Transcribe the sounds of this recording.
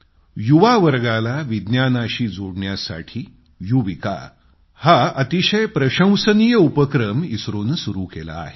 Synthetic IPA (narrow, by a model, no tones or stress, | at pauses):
juʋaʋəɾɡalaʋid̪njanaɕiːd͡zoɽɳjasa̰ʈʰiː | juʋika̰ | haət̪iɕəjpɾəɕə̃w̃sənijəupəkɾəmisɾuːnsuɾuːkḛla̰ːɦe